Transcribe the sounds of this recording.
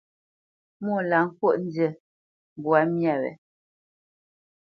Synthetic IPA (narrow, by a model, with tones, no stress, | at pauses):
mu˦˨la˨ŋ̩˦kwo˦ʔn̩˦də˨ | m˨bwa˨˦mja˦˨wɛ̰˨